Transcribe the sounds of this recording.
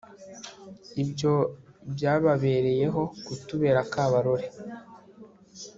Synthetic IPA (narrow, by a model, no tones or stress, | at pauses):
ibjo̞bjaːβaβe̞ːɾe̞je̞ɦo̞kutuβe̞ːɾakaːβaɾo̞ɾe